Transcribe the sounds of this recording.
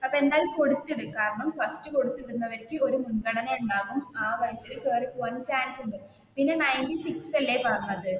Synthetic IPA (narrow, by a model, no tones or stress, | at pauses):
ɐpːɐe̞nd̪aːlumko̞ɽut̪ːiɽukaːɾɐɳɐmfɐrstɨko̞ɽut̪ːiɽunːɐʋɐɾkʲɨo̞ɾumunkɐɽɐnɐuɳɖaːɣumaːʋɐjɐsilkeːripʋɐnt͡ɕaːnsuɳɖɨ | pinːenɐjnʈisiksɐlːepɐrɐnːɐðɨ